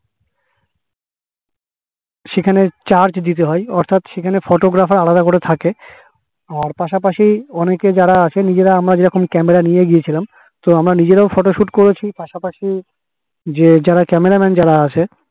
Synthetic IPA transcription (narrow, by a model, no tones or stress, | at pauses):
ʃekʰanet͡ɕaɾt͡ɕd̪it̪̬eɦɔeɔɾt̪ʰat̪ʃekʰanefoʈoɡɾafaɾalad̪akoɾet̪ʰake | aɾpaʃapaʃiɔneked͡ʑaɾaaʃʰenid͡ʑeɾaamɾad͡ʑeɾɔkomkɛmeɾanijeɡijet͡ɕʰilam | t̪oamɾanid͡ʑeɾaofɔʈoʃuʈkoɾet͡ɕʰipaʃapaʃi | d͡ʑed͡ʑaɾakɛmeɾamɛnd͡ʑaɾaat͡ɕʰe